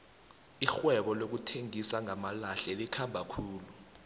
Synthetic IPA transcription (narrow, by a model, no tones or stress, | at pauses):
ixwɛɓɔlok̬utʰeŋisaŋamalaɬɛlikʰambʱakʰuːlu